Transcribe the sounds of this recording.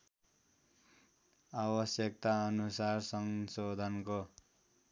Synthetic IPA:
abʌsjʌk̚t̪aʌnusarsʌŋsod̪ʱʌnko

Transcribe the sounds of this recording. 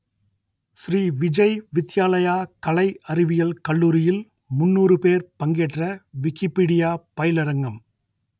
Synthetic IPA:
sɾiːʋɪd͡ʒɐɪʋɪt̪ːɪjaːlɐjaːkɐlɐɪʔɐɾɪʋɪjɐlkɐɭːuːɾɪjɪl | mʊnːuːrɯpeːɾpɐŋɡeːʈrɐʋɪkːɪpːiːɽɪjaːpɐjɪlɐɾɐŋɡɐm

